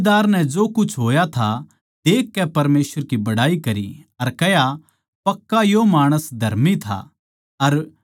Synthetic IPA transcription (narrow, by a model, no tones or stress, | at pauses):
d̪aːɾnɛd͡ʒoːkʊt͡ʃʰɦoːjat̪ʰa | d̪eːkːɛpɐɾmeːsʋəɾkibɐɽaːikɐɾḭɐɾkɛɦja | pɐkːajomaːɽ̃əsd̪ʱɐɾmit̪ʰa̰ | ɐɾ